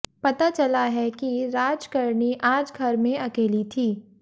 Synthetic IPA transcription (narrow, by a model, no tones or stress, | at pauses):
pɐt̪at͡ʃɐlaɦɛkiɾaːd͡ʒkɐɾniʔaːd͡ʒɡʱɐɾmẽɐkeːlit̪ʰiː